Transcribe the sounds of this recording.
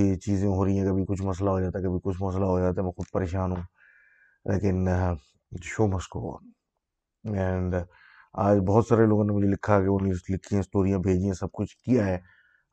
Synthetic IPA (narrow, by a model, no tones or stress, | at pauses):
et͡ʃiːzẽɦoːɾəiɛ̃kɐbʱikʊt͡ʃʰmɐs̬laɦod͡ʒaːt̪aɦɛkɐbʱikʊt͡ʃʰmɐslaɦod͡ʒaːt̪aɦɛmɛ̃ːxʊd̪̚pɐɾeːʃaːnɦũː | lʔḛːkɪn | ʃoːmɐsko̰ | ɛ̃ːɳɖ | aːd͡ʒbɔɦɔt̪saːɾeloːɡõnemʊd͡ʒʱelɪkʰːaɛkeonilɪkʰːiẽɪsʈoːɾijãbʱeːd͡ʒiẽsɐb̚kʊt͡ʃʰkijaɦɛː